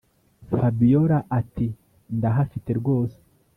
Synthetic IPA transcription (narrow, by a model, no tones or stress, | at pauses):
fabijoɾaʔati | ndaɦafite̞ɾɡo̞ːse̥